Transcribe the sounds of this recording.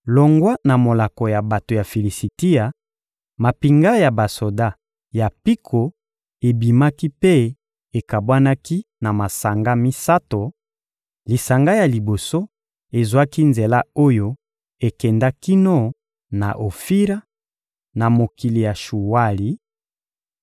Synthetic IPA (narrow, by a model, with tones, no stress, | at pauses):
lo˨ŋɡwa˦na˨mo˨la˨ko˨ja˨ba˨to˨ja˨fi˨li˨si˨ti˦a˨ | ma˨pi˨ŋɡa˦ja˨ba˨so˨da˦ | ja˨pi˦kʰo˨ | e˨bi˨ma˦ki˦pe˦ | e˨ka˨bwa˦na˦ki˦na˨ma˨sa˨ŋɡa˦mi˦sa˦to˨ | li˨sa˨ŋɡa˦ja˨li˨bo˨so˦ | e˨zwa˦ki˦nze˨la˦o˦jo˦ | e˨kɛ˨nda˦ki˦no˦ | na˨ʔo˨fi˦ɾa˦ | na˨mo˨ki˨li˨ja˨ʃu˨wa˦li˨